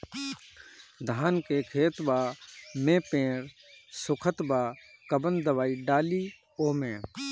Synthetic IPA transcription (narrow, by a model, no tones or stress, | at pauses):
d̪ʱaːnkekʰeːt̪baːmẽːpẽːɾ | sʊkʰət̪baːkəbənd̪əʋaːiɖaːliː | oːmẽː